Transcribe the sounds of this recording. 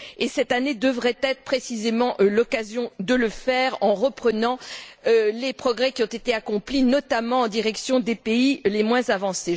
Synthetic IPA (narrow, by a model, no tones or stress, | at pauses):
esɛt̪aned̪əvʁɛt̪ɛt̪χə̥pχesizemɑ̃ʔlɔkazjɔ̃d̪ələfɛʁɑ̃ʁəpχənɑ̃ølepχɔɡʁɛkʲiɔ̃t̪et̪eakɔ̃plinɔt̪amɑ̃ɑ̃d̪iʁɛksjɔ̃d̪epeilemwɛ̃zavɑ̃se